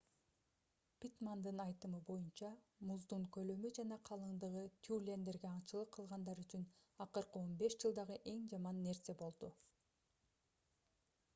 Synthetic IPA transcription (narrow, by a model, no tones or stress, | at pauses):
pʲit̪mand̪ɯnɑjt̪ɯmɯbo̞junt͡ʃɑmuzd̪uɴkø̞lø̞myd͡ʒɑnɑqʰɑlˠɯɴd̪ɯʁɯt̪ʲʰulʲe̞nd̪e̞ɾɡe̞ɑɴt͡ʃɯlˠɯqʰːɯlˠʁɑnd̪ɑɾyt͡ʃynɑqɯɾqɯo̞nbe̞ʃd͡ʒɯlˠd̪ɑʁɯʔe̞ŋd͡ʒɑmɑnːe̞ɾse̞bo̞lˠd̪u